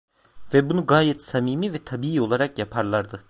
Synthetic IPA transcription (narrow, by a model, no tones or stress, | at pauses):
vɛbunuɡaːjɛt̪samiːmivɛt̪ʰabiːiːo̞lˠaɾakjapʰaɾlˠaɾd̪ɯ